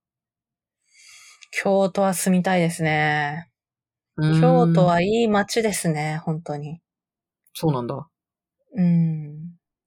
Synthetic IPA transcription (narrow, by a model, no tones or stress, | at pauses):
kʲʰo̞ːt̪o̞βasɨmʲit̪aid̪e̞sɨne̞ | kʲo̞ːt̪oβaiːmat͡ɕid̪e̞sɨne̞hõ̞nt̪o̞ɲ̟i | soːnãnd̪a | ɯ̟̃ɴ